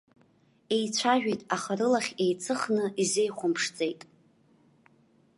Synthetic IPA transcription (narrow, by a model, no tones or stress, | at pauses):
e̞jt͡sʷʰaʒᶣejtʼaχarɨlaχʲe̞jt͡sʰʼɨχnɨize̞jχʷʊmpʰʂt͡sʼe̞jtʼ